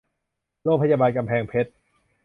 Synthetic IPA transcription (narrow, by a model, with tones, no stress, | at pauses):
loː˥˩k̚pʰa˧jaː˧baː˧nka˧mpʰɛː˧ŋpʰe˦˥t̪̚